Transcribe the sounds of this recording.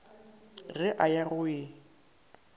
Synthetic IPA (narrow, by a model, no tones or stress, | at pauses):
ɣɪʔajarʊɪ